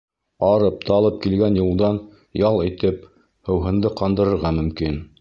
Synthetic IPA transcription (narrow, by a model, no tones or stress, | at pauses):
ɑɾɤp̚t̪ɑlˠɤp̚kilɡænjulˠd̪ɑn | jɑlˠit̪ɘp̚ | hɤ̆wɦɤ̆nd̪ɤqɑnd̪ɤ̆ɾɤ̆ɾʁɑmɵ̆mkin